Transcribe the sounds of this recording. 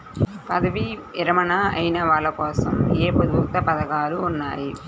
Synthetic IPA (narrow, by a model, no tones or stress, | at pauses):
pɐd̪ɐʋiɪɾɐmɐnɐɐjnɐʋaːlɐkɔːsɐmeːpɐd̪uːt̪ɐpɐðɐɡaːluːnːa̰ːji